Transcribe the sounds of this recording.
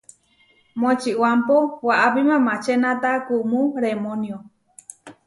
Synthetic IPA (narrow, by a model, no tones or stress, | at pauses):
mõet͡ʃiwampowaʔapimãmãt͡ʃenãt̪akumũɾemonjo